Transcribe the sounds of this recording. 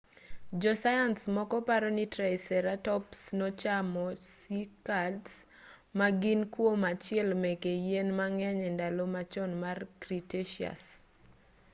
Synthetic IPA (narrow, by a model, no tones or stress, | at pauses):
d͡ʒɔsajansmɔkɔpaɾɔnitɾaɪsɛɾatɔpsnɔt͡ʃamɔsikads | maɡinkwomat͡ʃɪɛlmekejenmaŋɛɲɛndalomat͡ʃɔnmarkɾiteʃia̰s